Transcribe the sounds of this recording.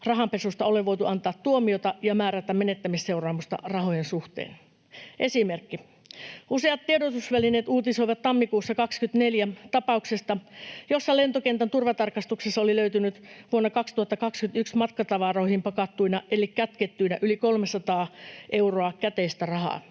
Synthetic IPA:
rɑɦɑmpesust̪ɑoleʋoijt̪uʔɑnt̪ɑːt̪tuomiot̪ɑjɑmæːɾæt̪æmmenet̪ːæmisse̞urɑːmust̪ɑ̰rɑɦojensuht̪ḛːn | ʔesimerkːi | useɑt̪tiedot̪usʋælineːt̪uːt̪isoiʋɑt̪t̪ɑmːikuːsːɑkɑkskyt̪neljæt̪ɑpɑuksest̪ɑjosːɑlent̪okent̪ænt̪urʋɑt̪ɑrkɑst̪uksesːɑoliløyt̪ynyt̪ʋuonːɑkɑkst̪uhɑt̪ːɑkɑkskynt̪yksmɑt̪kɑt̪ɑʋɑroihimpɑkɑt̪ːuinɑʔelikkæt̪ket̪ːyinæʔylikolmesɑt̪ɑːʔe̞uroɑkæt̪eist̪ærɑɦɑ̰ː

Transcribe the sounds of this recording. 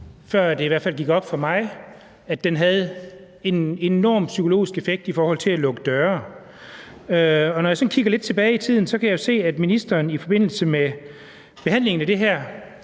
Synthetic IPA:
fɶɐ̰d̥e̝iʋæɐ̰̥fælɡ̥iɡ̥ɒ̽b̥fɒ̽mɑ̈ɪ | æd̥ːenɦæð̞̩ˠ | e̝ne̝nɒ̰ːmsykʰo̝lo̝̰ːisɡ̥efeɡ̥̚d̥ifɒːhɒ̽l̰t͡sʰe̝lælɔ̽ɡ̥əd̥ɶːɐ | øɒ̽nɒjɑ̈sɒ̽nkʰiɡ̥ɐle̝d̥̚t͡sʰe̝b̥ɛːɪit͡sʰið̰ˠn̩sɒ̽kʰæjɑ̈jo̝se̝̰ːæd̥minisd̥ɐːnifɒ̽b̥e̝n̰l̩səme | b̥e̝ɦæn̰le̝ŋn̩æd̥e̝ɦæɐ̰

